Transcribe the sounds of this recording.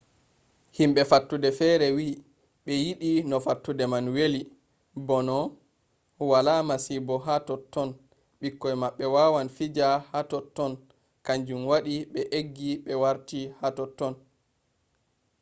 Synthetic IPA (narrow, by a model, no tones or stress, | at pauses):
himɓɛfatːudɛfɛɾɛwi | ɓɛjiɗinɔfatːudɛmanweli | bɔnɔ | walamasibɔɦatɔtːɔn | ɓikːɔjmaɓːɛwawanfid͡ʒahatɔtːɔn | kaɲd͡ʒumwaɗiɓɛʔeɡːiɓɛwaɾtihatɔtːɔn